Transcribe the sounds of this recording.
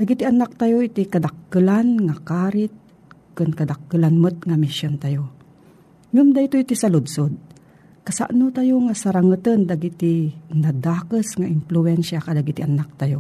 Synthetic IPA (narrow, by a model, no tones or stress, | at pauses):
d̪aɡit̪iʔanak̚t̪ajoʔit̪ikad̪akːɨlanŋakaɾɪt̪̚ | kɨnkad̪akːɨlanmət̪̚ŋamisont̪ajo | ŋɨmd̪ait̪oit̪isalʊd̪sod̪̚ | kɐsa̰ʔnut̪ajoŋasaɾaŋət̪ənd̪aɡit̪inad̪aːkəsŋaʔɪmpluɛnʃakad̪aɡit̪iʔanak̚t̪ajo